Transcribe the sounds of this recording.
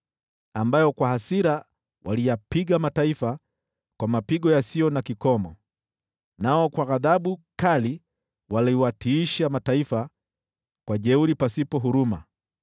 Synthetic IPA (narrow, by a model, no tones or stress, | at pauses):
ambajɔkwahasiɾa | wʔalijapiɡamataifa | kwamapiɡɔjasiɔnakikɔmɔ | naɔkwaɣaðaɓukali | waliwatʰiːʃamataifa | kwaʄɛuɾipasipɔɦuɾuma̰